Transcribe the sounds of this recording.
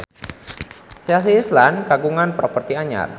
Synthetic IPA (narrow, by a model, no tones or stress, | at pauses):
sias̬iːslankaɡuŋanpɾɔpərt̪iaɲa̰r